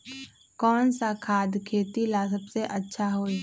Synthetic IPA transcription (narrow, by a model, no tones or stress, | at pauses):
kɔːnsakʰaːd̪kʰeːt̪ilasəbseʔətːʃʰaɦoːi